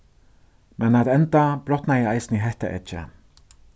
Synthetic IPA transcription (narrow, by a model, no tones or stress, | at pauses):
mʔɛnat̪ɛnt̪ab̥ɾɔt̪najɛɑɪsnɪɦɛht̪ə̰ʔɪ̰t͡ʃːə̰